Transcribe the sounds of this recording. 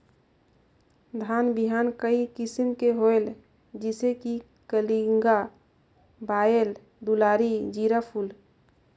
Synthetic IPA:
d̪ʱaːnbiɦaːnkəikɪsimkeɦoel | d͡ʒɪseki | kəliŋɡa | baːel | d̪ulaːɾid͡ʒiːɾapʰul

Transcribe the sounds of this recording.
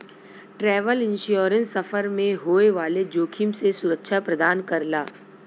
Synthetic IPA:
ʈɾɛːʋəlɪ̃nʃjoːɾə̃nsːɐfəɾmẽɦoːeʋaːled͡ʒoːkʰimsesʊɾəkʃʰapɾɐd̪aːnkɐɾla̰ː

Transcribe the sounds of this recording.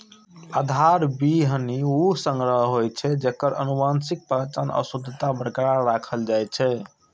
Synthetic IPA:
ad̪ʱaɾbiɦəniusəŋɡɾəɦɦojt͡ʃʰɛd͡ʒekːəɾʔə̰nubansik̚pat͡ʃənə̰sud̪ʱt̪abɾkaɾːakʰəld͡ʒajt͡ʃʰɛ

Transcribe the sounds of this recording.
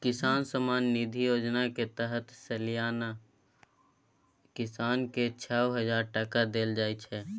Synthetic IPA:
kɪsaːnsəmaːnːid̪ʱijoːd͡ʒnaket̪əɦət̪səlijaːna | kɪsaːnket͡ʃʰɛːoɦəd͡ʒaːɾʈəkad̪eːld͡ʒaːit͡ʃʰɛː

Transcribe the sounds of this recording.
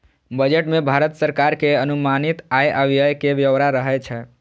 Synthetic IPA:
bəd͡ʒeʈmebʱaɾət̪səɾkaɾkeənumanit̪ajʔəʋijəjkebjəʋɾaɾəɦɛt͡ʃʰɛ

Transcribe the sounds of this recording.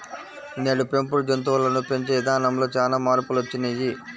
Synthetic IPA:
neːɽupe̞mpuɾd͡ʒont̪̬uʋɐlɐnupeɲt͡ʃeid̪ʱaːnɐmlo̞ːt͡ʃaːlaːmaːɾpulot͡ʃːinɐji

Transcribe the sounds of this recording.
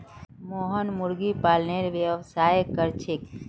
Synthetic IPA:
moɦənmʊɾɡipaːlneɾʋjəʋsaːjkəɾt͡ʃʰek

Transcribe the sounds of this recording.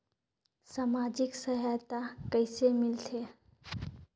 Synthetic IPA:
saːmaːd͡ʒɪksəɦajt̪akəɪsemɪlt̪ʰe

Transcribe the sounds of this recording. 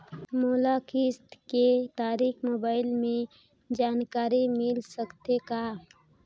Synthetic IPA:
moːlakɪst̪ket̪aːɾiːxmoːbaːɪlmẽ | d͡ʒaːnkaːɾimɪlsəkt̪ekaː

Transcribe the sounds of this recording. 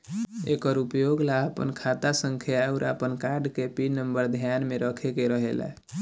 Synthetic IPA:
ḛkəɾupjoɡlaəpə̰nkʰat̪asəŋkʰauɾə̰pənkaɾɖkepinəmbəɾd̪ʱjanmeɾəkʰekeɾəɦela̰

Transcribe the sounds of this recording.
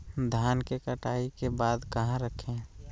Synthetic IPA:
d̪ʱjaːnkekəʈaːikebaːd̪kəɦãɾəkʰẽ

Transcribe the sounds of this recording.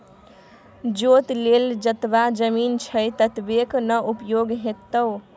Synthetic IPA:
d͡ʒot̪leld͡ʒət̪bad͡ʒəmint͡ʃʰəjt̪ət̪beknəʔupjoɡɦet̪ːəw

